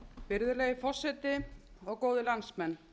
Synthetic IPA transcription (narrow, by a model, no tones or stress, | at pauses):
pɪɾðʏlɛjɪfɔr̥sɛt̪ɪɔɣkoːwðɪlansmɛnː